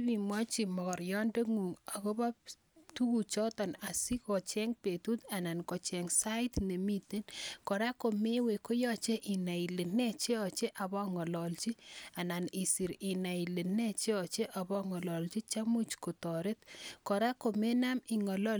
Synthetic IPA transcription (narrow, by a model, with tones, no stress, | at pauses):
bi˨mwa˦t͡ʃi˨mɔ˨kɔ˨ɾjɔ˦nde˦ŋu˨ŋa˨ko˦ba˦ | tu˦ku˨t͡ʃɔ˦tɔ˨na˨si˦kɔ˨t͡ʃɛ˦ŋpe˨tu˦ta˨na˨nkɔ˨t͡ʃɛ˨ŋsa˦ɪ˦tne˨mi˦te˦nkɔ˨ɾa˦ko˨me˦we˨ko˦jɔ˦t͡ʃe˦ʔi˨na˨i˨le˨ne˦t͡ʃe˦ɔ˨t͡ʃe˦ʔa˨βɔ˦ŋɔ˨lɔ˨lt͡ʃi˦a˨na˨ni˨si˨ɾɪ˨na˨i˨le˨ne˦t͡ʃe˦ɔ˨t͡ʃe˦ʔa˨βɔ˦ŋɔ˨lɔ˨lt͡ʃi˦t͡ʃa˦mu˦t͡ʃko˨tɔ˨ɾɪ˦tkɔ˨ɾa˦ko˨me˦na˦mi˨ŋɔ˨lɔ˦